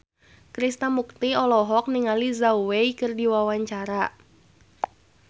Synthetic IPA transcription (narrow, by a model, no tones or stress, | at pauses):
kɾist̪amuk̚t̪iɔlɔɦɔk̚niŋalizauwejkɨrdiwawaɲt͡ʃaɾa